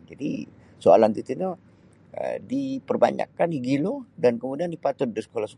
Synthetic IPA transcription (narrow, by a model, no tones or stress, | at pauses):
d͡ʒadi | soa̰lant̪it̪ino | ə̰dipərba̰ɲa̰kːaniɡilodankəmudiandipat̪ʊt̪̚dəsə̥kolahsə̥